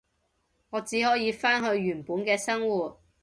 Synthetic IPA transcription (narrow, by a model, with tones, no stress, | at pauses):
ŋɔː˨˧t͡siː˨˥ɦɔː˨˥jiː˧faː˥nɦɵ˧ɥɥyː˨˩npuː˨˥nkɛː˧sɐ˥ŋwuː˨˩t̚